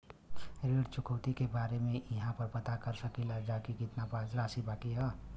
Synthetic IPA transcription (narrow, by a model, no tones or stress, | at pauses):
ɾeːɽt͡ʃʊkʰəːt̪ikebaːɾemẽɐɦãpɐɾpɐt̪akɐɾsɐkilad͡ʒaːkikɪt̪nabaːzɾaːsibaːkiɦɛ